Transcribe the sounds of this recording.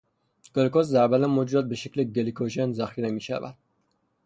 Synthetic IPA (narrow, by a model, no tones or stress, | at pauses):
ɡ̥elikoszæɾbælænmːod͡ʒ̪ɒːt̪̚beʃekleɡelikʰoʃenzæxiːɾemiːʃæ̰væ̰d̪̥̚